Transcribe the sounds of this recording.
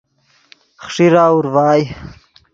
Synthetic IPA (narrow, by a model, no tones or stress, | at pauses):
χʂiɾaːuɾwaːj